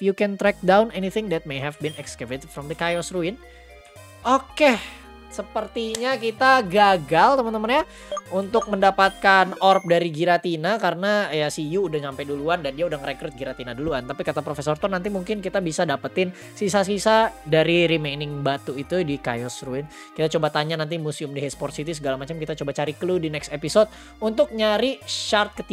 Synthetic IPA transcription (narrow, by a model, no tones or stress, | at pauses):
jukɛnt̪ɾɛk̚dawnɛniθɪŋd̪ɛt̪̚mejɦɛvbinɛkskəvet̪ɪdfɾɔmd̪əkajɔsruɪn | oke | səpərt̪iɲakit̪aɡaɡalt̪əmənt̪əmanɲa | unt̪ʊk̚məndapat̪̚kanɔrp̚daɾiɡiɾat̪inakaɾənajasijuːdahsampɛduluandandiaudaŋɾekɾɛt̪̚ɡiɾat̪inaduluant̪apikat̪apɾofesɔrt̪ɔrnant̪̬imuŋkɪnkit̪abisadapət̪ɪn | sisasisadaɾiɾimenɪŋbat̪uit̪udika̰jɔsruɪn | kit̪at͡ʃobat̪aɲanant̪̬imusiʊmdiɦɛspɔrt̪sit̪isəɡalamat͡ʃamkit̪at͡ʃobat͡ʃaɾikəludinɛksepisot̪̚ | unt̪ʊk̚ɲaɾiʃart̪̚kət̪i